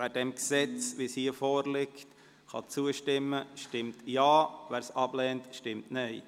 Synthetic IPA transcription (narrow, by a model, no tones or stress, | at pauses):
æːdɛmksɛt͡sʋishiəfɔːɾlɪkt | χɑ̰t͡suəʃtɪmːəʃtɪmtjɑːvæːɾsɑb̥lɛːntʃtɪmtnɛɪ